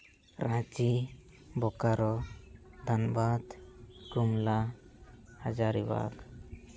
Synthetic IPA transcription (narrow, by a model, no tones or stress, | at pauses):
ɾãt͡ʃi | bɔkaɾɔd̪ʱanbad̪ɡumla | had͡ʒaɾiwa̰k